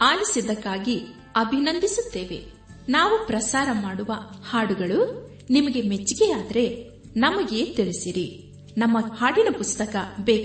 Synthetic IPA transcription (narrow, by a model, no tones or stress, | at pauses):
aːjisid̪ɐkːaːɡi | ɐbʱinɐnd̪isut̪ːe̞ːʋe̞̰ | naːʋupɾɐsaːɾɐmaːɽuʋɐhaːɽuɡɐɭu | nimɐɡe̞met͡ʃːiɡeaːd̪ɐɾe̞ | nɐmɐɡe̞ːt̪iɭisiɾi | nɐmːɐhaːɽinɐpust̪ɐkɐbɛːk